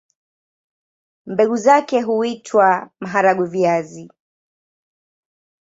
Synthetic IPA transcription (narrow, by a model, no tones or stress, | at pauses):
mbɛɠuzakɛɦuitʰwamaɦaɾaɡwiviazi